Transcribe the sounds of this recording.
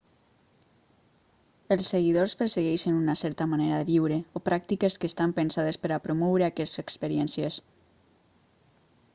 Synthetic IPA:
əlˠsːeɣiðospəɾseɣɛʃənunasɛɾt̪əmaneɾaðəβiwɾeopɾʔak̚t̪ikeskəːst̪ampənsaðespəɾapɾomɔwɾeakɛst̪zekspəɾiɛnsjes

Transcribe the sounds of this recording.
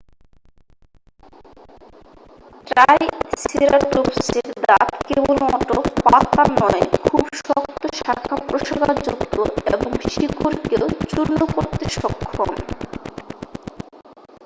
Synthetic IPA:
ʈɾajsiɾaɾt̪opseɾd̪at̪kebolɔʈopat̪anɔekʰubʃɔkt̪oʃakʰapɾoʃaɡad͡ʑukt̪oeboŋʃikuɾkewt͡ɕuɾnokoɾt̪iʃɔkʰːon

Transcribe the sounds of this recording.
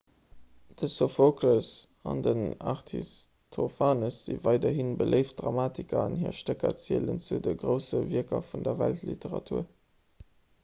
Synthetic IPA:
d̥əsofokləs | ɑndənɑʁtʰḭs | tʰofaːnəsz̥ḭvɑɪdɐɦinbəlʔəɪft̚d̥ʁɑmaːtikɐɑnhiːɐʃtəkɐ̰t͡siələnt͡sudəɡʁəʊsəviəkɐfundɐvæ̰ltlḭteʁɑ̰tʰuːɐ

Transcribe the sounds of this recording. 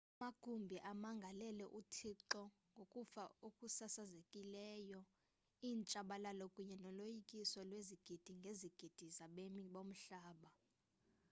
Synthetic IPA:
amaɡ̥ʱumbʱiʔamaŋɡʱalɛlɛʔutʰiǁɔ | ŋɡʱokʼufaukʼusasazekʼilɛːjɔ | iːnt͡ʃʼaɓalalɔkʼuɲɛnɔlojikʼisɔlweziɡ̥ʱid̥ʱiŋɡʱeziɡ̥ʱid̥ʱizaɓemiɓom̩ɬaːɓa

